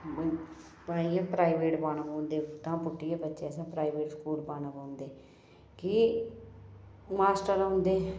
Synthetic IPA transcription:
baːiãːpɾaːiʋeːʈbaːñəbõːnd̪eːt̪ãːpʊʈːijãːbətːʃeːsãːpɾaːiʋeːʈskuːlbaːnəbõːnd̪eː | kiː | maːsʈəɾɦõːnd̪eː

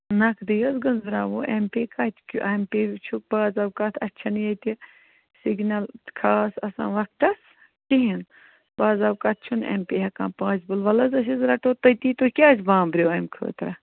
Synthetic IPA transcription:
nɐkʰd̪ɨjɐsɡɐnzɾaːʋoʔempeːkɐt̪ʲkʰṵʔɐmpeːt͡ʃʰuk̚baːzɐbkɐt̪ʰɐtʲːt͡ʃʰɐnjɐt̪i | siɡnʲɐlkʰaːsɐsã̰ːʋɐk̚ʈɐs | ʈiɦin | b̥aːzɐbkɐt̪̚ʰt͡ʃʰunḛmpeːɦɐkãːpãːt͡ʃbɨlʋɐlɐzɐs̬izɾɐʈoːt̪ɐjt̪iːt̪okʲaːt͡ʃbãːmbɾʲjoːɐmkʰɨ̰ːt̪ɾɐ̰

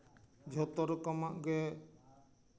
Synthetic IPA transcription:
d͡ʒʱɔt̪ɔɾɔkɔmaʔɡɛ

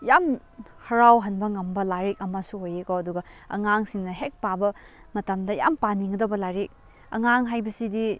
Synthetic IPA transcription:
jam | hɐɾawɦɐnbɐŋɐmbɐlaɾik̚ɐmasuojekoɐduɡɐɐ̰ŋaŋsiŋnɐɦek̚pabɐ | mɐtamdɐja̰mpaniŋɡɐdɐwbɐlaɾik̚ | ɐ̰ŋaŋɦajbɐsidi

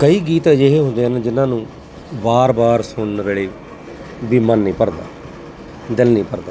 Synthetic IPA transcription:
kəiːɡiːt̪ẽːd͡ʒeɦeːɦʊ̃nd̪eːəned͡ʒɪnãːnũː | baːɾbaːɾsʊɳnɾeːɽeː | biːmənːĩːpəɾd̪a̰ː | d̪ɪlnĩːpəɾd̪aː

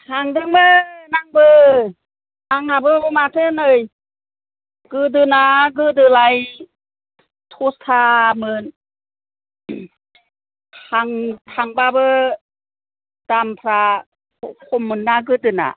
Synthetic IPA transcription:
haŋdɯŋmənaŋbɯ | ʔaŋabɯbumat̪ʰɯnɯj | kɯdɯnaɡɯdɯlaj | t̪ʰust̪ʰamɯn | aŋt̪ʰaŋbabɯ | d̥ampʰɾa | kʰomːɯnːaɡɯdɯna̰

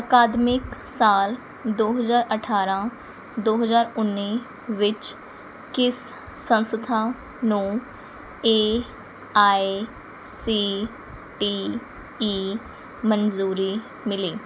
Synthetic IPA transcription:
əkaːd̪mɪksaːl | d̪oːɦəzaːɾəʈʰaːɾãː | d̪oːɦəzaːɾʊnːiː | ʋɪt͡ʃ | kɪsː | ə̃nsət̪ʰaː | nũː | eː | aːi | siː | ʈiː | iː | mənzuːɾiː | mɪliː

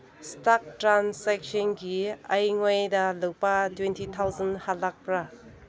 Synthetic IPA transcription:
stak̚tɾansek̚sɔnɡiɐjŋojdɐlɐwpɐtwentʰit̪ʰawzɐnhatlak̚pɾa

